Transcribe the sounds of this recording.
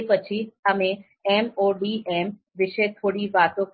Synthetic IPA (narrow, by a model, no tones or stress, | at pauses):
pət͡ʃʰiɐmẽ | ɛːmoːɖiːʔɛːm | ʋɪʃet̪ʰoːɽiʋaːt̪õk